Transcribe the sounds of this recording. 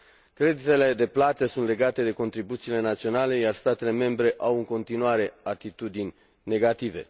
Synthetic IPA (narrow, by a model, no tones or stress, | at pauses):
kɾe̞d̪it̪e̞le̞d̪e̞plat̪əsunt̪le̞ɡat̪e̞d̪e̞ko̞nt̪ɾibut̪siːle̞nat̪sio̞nale̞jarst̪at̪e̞le̞me̞mbɾe̞ʔawɨŋko̞nt̪inuaɾe̞at̪it̪ud̪inʲ | ne̞ɡat̪ive̞̰